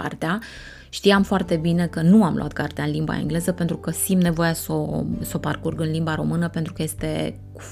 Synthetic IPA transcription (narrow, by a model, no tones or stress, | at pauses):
a̰rt̪ea | ʃt̪ijamfoart̪e̞bine̞kənuamlo̰ʔa̰t̪kart̪eaɨnlimba̰ḛŋɡle̞zəpent̪ɾukəsimne̞vo̞jasoso̞parkurɡɨnlimbaɾo̞̰mɨnəpe̞nt̪ɾukəje̞st̪e̞̰ | ku̥